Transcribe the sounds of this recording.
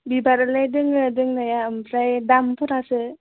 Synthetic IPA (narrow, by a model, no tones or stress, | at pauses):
bibaɾɯlajdɯŋɯdɯŋnajaɯmpʰɾajdampʰuɾasɯ